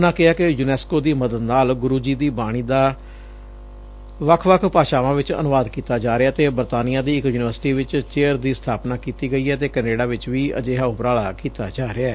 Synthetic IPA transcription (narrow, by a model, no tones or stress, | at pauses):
ʊnãːkɪɦaːkɪjunɛːskoːd̪iːməd̪əd̪naːlɡʊɾuːd͡ʒiːd̪iːbaːɽ̃iːd̪aː | ʋəkʰʋəkʰpaːʃaːʋãːʋɪt͡ʃə̰nʊʋaːd̪kiːt̪aːd͡ʒaːɾɪaːt̪eːbəɾt̪aːnɪjãːd̪iːɪkjuːnɪʋəɾsɪʈiːʋɪt͡ʃt͡ʃeːəɾd̪iːst̪ʰaːpnaːkiːt̪iːɡəiːɛːt̪eːkəneːɖaːʋɪt͡ʃʋiːə̰d͡ʒeːɦaːʊpəɾaːɭaːkiːt̪a̰ːd͡ʒaːɾɪɛː